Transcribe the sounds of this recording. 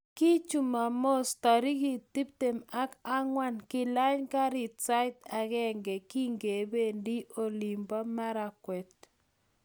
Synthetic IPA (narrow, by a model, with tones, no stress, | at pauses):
ki˦t͡ʃu˨ma˨mo˦st̪a˨ɾi˦ɣi˨ti˦p̚te˨ma˦ka˦ŋwa˦nkɪ˦la˦ɲka˦ɾi˨tt͡sa˦jt̪a˨ɣɛ˦ŋɡɛ˨ki˦ŋɡe˨be˦ndi˦ʔo˨li˨mbwa˦ma˦ɾa˨kwɛ˨t̪̚